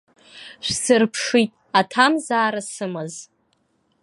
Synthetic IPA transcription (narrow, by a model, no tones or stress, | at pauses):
ʃʷsɨrpʰʂitʼ | atʰamzaːɾasɨmɨz